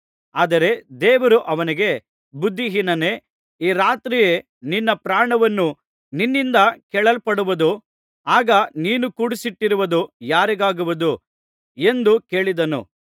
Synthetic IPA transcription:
aːd̪ɐɾe̞d̪ɛːʋɐɾuʔɐʋɐniɡe̞ | bud̪ʱːiɦinɐne̞ | iːɾaːt̪ɾijeː | ninːɐpɾaːɳɐʋɐnːu | ninːind̪ɐkɛɭɐlpɐɽuʋud̪u | aːɡɐniːnukuːɽisiʈːiɾuʋɐd̪ujaːɾiɡaːɡuʋud̪u | e̞nd̪uke̞ːɭid̪ɐnṵ

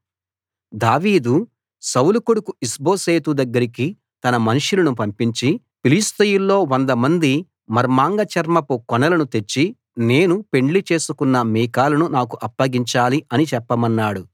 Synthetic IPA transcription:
d̪aːʋiːd̪u | sɐwlukuɽukuisbo̞ːseːt̪ud̪ɐɡːɐɾiki | t̪ɐnɐmɐnuʂulɐnupɐmpiɲt͡ʃi | pilist̪ɐjulːo̞ːʋond̪ɐmɐnd̪i | mɐɾmaːŋɡɐt͡ʃɐɾmɐpukɔnɐlɐnut̪e̞t͡ʃːi | ne̞ːnupe̞ɳlit͡ʃe̞ːsukunːɐmiːkaːlɐnunaːkuʔɐpːɐɡiɲt͡ʃaːliʔɐnit͡ʃɛpːɐmɐnːaːɽu

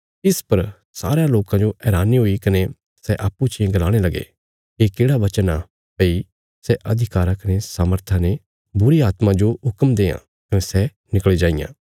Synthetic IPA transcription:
ɪspɐɾ | saːɾãloːkãd͡ʒoʔɛːɾaːniɦʊikɐne | sɛʔaːpːut͡ʃɪẽɡɐlaːɽ̃elɐɡḛ | kekeːɽaʋɐt͡ʃəna | pɐi | sɛʔɐd̪ʱɪkaːɾãkɐnesaːməɾt̪ʰãne | bʊɾiaːt̪mãd͡ʒoɦʊkəmd̪eːã̰ | kɐnesɛ | nɪkɭed͡ʒaːɪjã̰ː

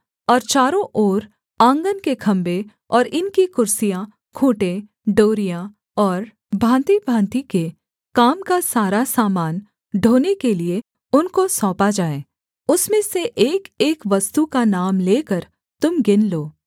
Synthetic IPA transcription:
ɔːɾt͡ʃaːɾõʔoːɾ | ãːŋɡənkekʰɐ̃mbe | ɔːɾɪnkikʊɾsijã | kʰoːʈe | ɖoːɾijã | ɔːɾ | bʱãːnt̪ibʱãːnt̪ike | kaːmkasaːɾasaːmaːn | ɖʱoːnekelie | ʊnkosɔ̃ːpad͡ʒaːeː | ʊsmẽseʔeːkeːkʋɐst̪ukanaːmleːkəɾ | t̪ʊmɡɪnloː

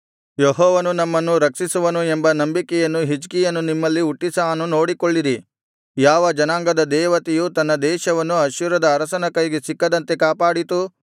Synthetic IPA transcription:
jeɦɔːʋɐnunɐmːɐnːuɾɐkʂisuʋɐnuembɐnɐmbikɛjɐnːuɦid͡ʒkijɐnːunimːɐlːiuʈːisaːnuno̞ːɽikoɭːiɾi | jaːʋɐd͡ʒɐnaːŋɡɐd̪ɐd̪ɛːʋɐt̪ɛjut̪ɐnːɐd̪ɛːʃɐʋɐnːuɐʃuɾɐd̪ɐːɾɐsɐnɐkɐjɡesikːɐd̪ɐnt̪e̞kaːpaːɽit̪u

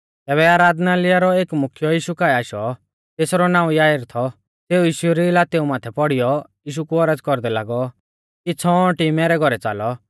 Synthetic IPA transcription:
t̪ɛːβɛaːɾaːd̪nalɪjaɾɔeːkmʊkʰjɔjiːʃukaːɛaːʃɔ | t̪eːsɾɔnãːũjaːɪɾt̪ʰɔ | t̪eːujiːʃuɛɾilaːt̪eumaːt̪ʰɛpɔɽijɔjiːʃ̬ukuɔɾəd͡zkɔɾd̪ɛla̰ːɡɔ | kit͡sʰɔʈimɛɾɛɡʱɔɾɛt͡sa̰ːlɔ

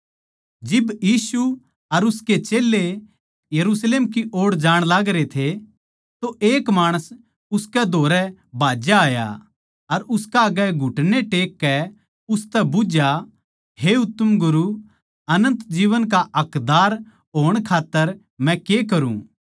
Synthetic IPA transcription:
d͡ʒɪbjiːsu | ɐɾʊsket͡ʃeːlːe | jɐɾusleːmkiʔoːɽd͡ʒaːɽ̃laːɡɾet̪ʰe | t̪oʔeːkmaːɽ̃əs | ʊskɛd̪ʱoːɾɛbʱaːd͡ʒaaːja̰ | ɐɾʊskaɐɡɛɡʱʊʈñeʈeːkːɛ | ʊst̪ɛbʊd͡ʒja | ɦeʊt̪ːəmɡʊɾu | ɐnə̃nt̪d͡ʒiːʋənk̬aʔɐkd̪aːɾ | ɦoːəɽ̃kʰaːt̪ːəɾ | mɛ̃kek̬ɐɾṵ̃

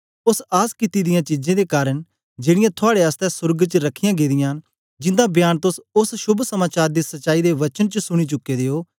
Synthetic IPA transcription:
ʊsaːskɪt̪iːd̪ɪjãːt͡ʃiːd͡ʒẽːd̪eːkaːɾəɳ | d͡ʒeːɽɪjãːt̪ʰʊaːɽeəst̪ɛsʊɾɡt͡ʃəɾəkʰːɪjãːɡeːd̪ɪjãː | d͡ʒɪ̃nd̪ãːbjaːnt̪ʊsʊsʃʊbʱsəmaːt͡ʃaːɾd̪eːsɐʃaːid̪eːʋɐt͡ʃənt͡ʃəsʊɽ̃it͡ʃʊkːed̪eːoː

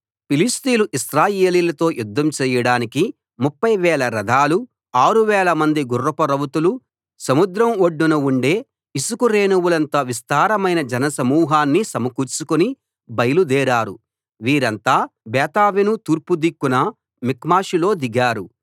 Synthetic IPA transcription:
pilist̪iːluʔisɾaːjeːliːlɐt̪o̞ːjud̪ʱːɐmt͡ʃɛːjɐɽaːniki | mupːɐjʋɛːlɐɾɐd̪ʱaːlu | aːɾuʋɛːlɐmɐnd̪iɡurːɐpɐɾɐʋut̪ulu | sɐmud̪ɾɐmoɖːunɐuɳɖe̞ː | isukuɾeːnuwulɐnt̪aːʋist̪aːɾɐmɐjnɐd͡ʒɐnɐsɐmuːɦaːnːisɐmɐkuːɾt͡ʃukuni | bɐjɐlud̪ɛːɾaːɾṵ | ʋiːɾɐnt̪aːbɛːt̪aːʋinut̪uːɾpud̪ikːunɐ | mikmaːʃilo̞ːd̪iɡaːɾu

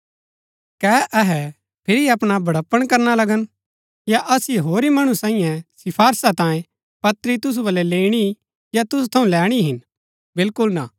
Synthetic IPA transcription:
kɛːʔɐɦɛ | pʰɪːɾiɐpɽ̃abɐɽɐpːəɽ̃kɐɾnalɐɡən | jaʔɐsiɦoːɾimɐɽ̃usãːĩjɛ̃sɪpʰaːɾsat̪ãːjẽ | pɐt̪ɾit̪ʊs̬ubɐlɛleːɽ̃i | jat̪ʊs̬ut̪ʰɐũlɛːɽ̃iɦɪn | bɪlkʊlna

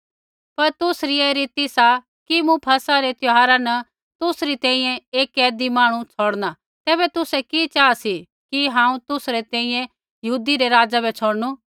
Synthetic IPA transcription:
pɐɾt̪ʊsɾieɾɪt̪isa | kimũpʰɐsaɾet̪ʊɦaːɾanɐ | t̪ʊsɾit̪ɛ̃ːĩːjɛ̃eːkɛːd̪imãːɽ̃ũt͡sʰoːɽna | t̪ɛːbɛt̪ʊsɛkit͡ʃaːasi | kiɦãːũt̪ʊsɾet̪ɛ̃ːĩjɛ̃ | jɐɦuːd̪iɾeɾaːd͡ʒabɛt͡ʃʰoːɽnu

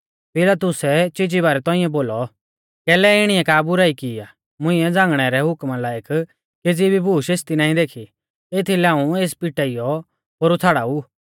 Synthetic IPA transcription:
pɪlat̪ʊsɛt͡ʃɪd͡ʒiβaːɾɛt̪ɔ̃ːɪ̃ɛ̃boːlɔ | kɛːlɛɪɽ̃iɛkaːbʊɾaːikɪa | mʊ̃ɪ̃ɛd͡zãːŋɡɽ̃ɛɾɛɦʊkmalaːjək | ked͡zibʱibʱuːʃeːst̪inãːĩd̪eːkʰi | eːt̪ʰilɛãːũeːspiʈaijɔ | ɦoːɾut̪ʰaːɽauː

